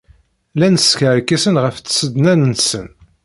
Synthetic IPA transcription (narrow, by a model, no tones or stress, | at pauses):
lænəsçəɾkːæsənʁəft͡sːsəd̪nænənsə̰n